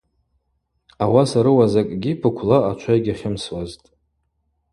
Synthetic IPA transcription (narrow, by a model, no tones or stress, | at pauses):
awasaɾɨwazakʼɡʲipʰɨkʷʰlaat͡ʃʷʰajɡʲaχʲɪmswaztʼ